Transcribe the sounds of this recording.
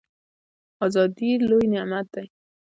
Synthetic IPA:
ɔzɑd̪ilojnemat̪̚d̪aj

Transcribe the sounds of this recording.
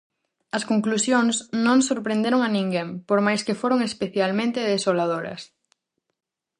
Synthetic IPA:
ɐskoŋklusjoŋsnõŋsoɾpɾẽnd̪eɾoŋɐnĩŋɡempoɾmajskefoɾoŋespeθjalmẽnt̪ɪðesolað̞oɾɐ̰s

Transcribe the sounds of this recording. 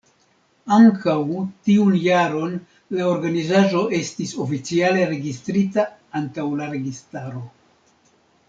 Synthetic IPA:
aŋkʰawtiunjaɾo̞n | lao̞ɾɡanizaʒo̞ʔe̞stiso̞fit͡siale̞ɾe̞ɡistɾitaantawlaɾe̞ɡistaɾo̞

